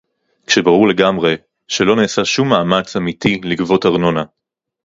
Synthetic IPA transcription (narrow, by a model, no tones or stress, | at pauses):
kʃe̞baʁuʁle̞ɡamʁe̞ | ʃe̞lo̞neːsaʃumːaːmat͡samitiliɡvo̞taʁno̞na